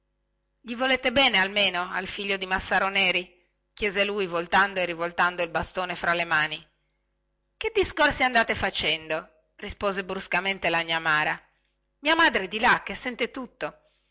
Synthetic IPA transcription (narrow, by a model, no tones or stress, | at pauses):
ʎivoleːt̪ebɛːnealmeːnoa̰lfiʎːod̪imasːaɾonɛːɾi | k̟jɛːzelujvolt̪and̪oerivolt̪and̪oilbast̪oːnefɾalemaːni | ked̪ːiskorsiand̪aːt̪efat͡ʃɛnd̪o | rispoːzebɾuskament̪elaɲːamaːɾa | miːamad̪ɾed̪ilakːesːɛnt̪et̪ut̪ːo